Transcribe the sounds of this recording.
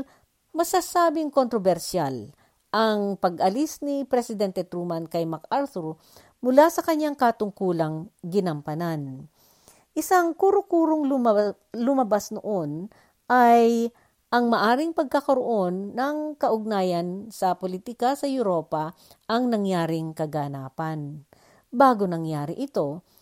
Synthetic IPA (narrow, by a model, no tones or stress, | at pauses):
mɐsasaːbɪŋkont̪ɾobɛɾʃal | ʔɐŋpɐɡʔɐlisnipɾɛsɪd̪ɛnt̪ɛt̪ɾumɐnkɐjmakaɾt̪uɾ | mʊlasɐkɐɲːaŋkɐt̪ʊŋkuːlɐŋɡɪnɐmpɐnan | ʔɪsaŋkuːɾokuːɾoŋl | lʊmɐbasnoʔon | ʔaj | ʔɐŋmɐʔaːɾɪŋpɐɡ̚kɐkɐɾoʔo̞nːɐŋkɐʔʊɡ̚naːjɐnsɐpolit̪ɪkɐsɐjʊɾo̞ːpɐ | ʔɐŋnɐŋjaːɾɪŋkɐɡɐnaːpɐn | baːɡonɐŋjaːɾɪʔɪt̪o̞